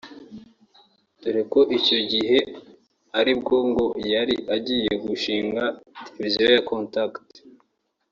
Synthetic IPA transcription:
tuɾeko̞ʔico̞ɟiɦe̞ | aɾibɡo̞ŋɡo̞jaɾiʔaɟiːje̞ɡuʃiːŋɡatelevizijojakʰontakt

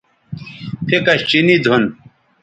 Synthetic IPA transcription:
pʰekɐɕt͡ɕinid̪ʱun

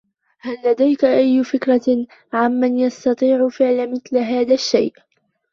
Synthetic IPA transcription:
halːad̪ajkaʔajːʊfɪkɾˤɑ | ʕamːanjɑst̪ɑt̪ˤiːʕʊfɪʕlamɪθlaɦaːðaʃːa̰jʔ

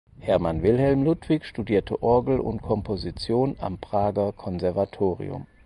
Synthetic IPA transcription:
hɛɐmanvɪlɦɛlmlʊtv̥ɪçʃtudiːɐtʰəʔɔɐɡl̩ʊ̰ntkʰɔmpʰozit͡sjoːna̰mpʁ̥aːɡɐkʰɔnzɛɐvatʰoːʁḭʊ̰m

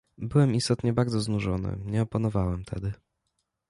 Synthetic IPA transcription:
bɘwɛmist̪ɔt̪ɲɛbaɾd̪zɔznuʐɔnɘ̰ɲɛɔpanɔvawɛmt̪ʰɛ̰d̪ɘ

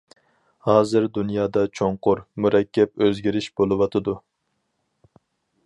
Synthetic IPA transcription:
hɑːzɨɾd̪unjɑːd̪ɑt͡ʃʰoɴqʊɾmuɾɛkʲʰːɛp̚øzɡʲiɾɪʃb̥olˠɨwɑt̪ʰɨd̪u

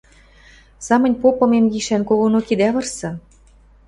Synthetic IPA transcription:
sɑmɤ̆nʲpopɤ̆memjiʃænkoɣonokid̪æβɤ̆rsɤ̆

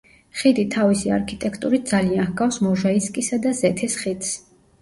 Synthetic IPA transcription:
χid̪it̪ʰavisia̰ɾkʰit̪ʼɛkʰt̪ʼuɾit̪̚d̪zaliãnɡafsmɔʒaiskʼisad̪azɛt̪ʰɛsχid̪s

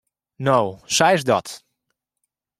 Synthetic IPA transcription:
noːsɛjɪsdɔt

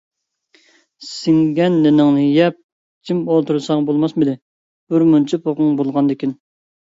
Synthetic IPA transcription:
sɪŋɡʲɛnːɪnɪŋnɨjɛp̚ | d͡ʒʲʰimolˠt̪ʰuɾɨsɑŋbolˠmɑsmɪd̪ɪ | b̥ʊɾmunt͡ʃʰipʰoqʊŋbolˠʁɑnd̪ɪkʲin

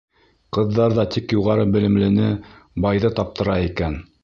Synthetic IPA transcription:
qɤ̆ðːɑɾðɑt̪ikjuʁɑɾɤbɘ̆lɘ̆mlɘ̆nɘ | bɑjðɤt̪ɑp̚t̪ʰɤ̆ɾɑikæn

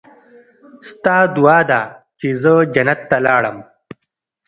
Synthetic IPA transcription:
st̪ɑːd̪uɑːd̪at͡ʃezəd͡ʒɐnat̪ːalɑːɽə̰m

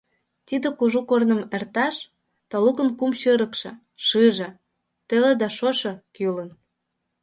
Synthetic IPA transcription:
t̪id̪ĕkuʒukornə̆mert̪ɑʃ | t̪ɑlukə̆nkumʃəɾə̆kʃɤ̆ | ʃɨʒĕ | t̪elĕd̪ɑʃoʃɤ̆kylə̆n

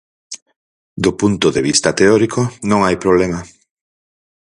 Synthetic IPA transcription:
d̪opunt̪oðeβ̞ist̪ɐt̪eɔɾikonõŋajpɾoβ̞lema

